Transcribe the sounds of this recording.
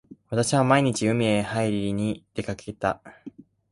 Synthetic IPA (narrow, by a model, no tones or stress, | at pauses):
βat̪aɕiβamaiɲ̟it͡ɕiɯ̟mʲiehaiɾʲiɾʲiɲ̟id̪̥e̞kakʰe̞t̪a̰